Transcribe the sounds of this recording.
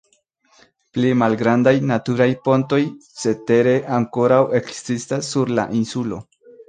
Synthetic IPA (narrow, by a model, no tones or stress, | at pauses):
plimalɡɾand̪ajnat̪uɾajpo̞nt̪o̞jse̞t̪e̞ɾeʔaŋko̞ɾawe̞ksistasːuɾla̰ʔinsulo̞̰